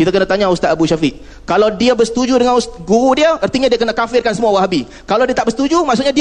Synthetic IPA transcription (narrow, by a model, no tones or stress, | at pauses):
kit̪akənat̪aɲaust̪at̪abuʃafɪʔ | kalawdiabəsə̥t̪ud͡ʒudəŋanust̪aɡuɾudiəərt̪iɲadiakənakafɪrkansəmuawaɦabi | kalawdiat̪aʔbəst̪ud͡ʒumaʔsuʔɲadi